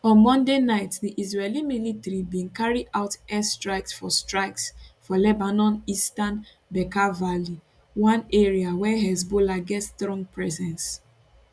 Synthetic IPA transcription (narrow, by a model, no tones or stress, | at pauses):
ɔ̃nmɔ̃ndenaɪtðiʔizɹɛlimilitaɹibĩnkaɹiaʊtɛstɹaɪksfɔstɹaɪksfɔlɛbanɔ̃nistan | bɛkavali | wãneɹiawɛɦɛzbolaɡɛtstɹɔ̃ŋɡ̚pɹɛzɛ̃ns